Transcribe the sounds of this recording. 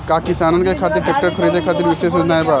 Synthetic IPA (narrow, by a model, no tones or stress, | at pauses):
kaːkɪsaːnonkekʰaːt̪ɪɾpɐk̚ʈəɾkʰɐɾiːd̪ekʰaːt̪ɪɾʋɪses̬ud͡ʒnaːebaː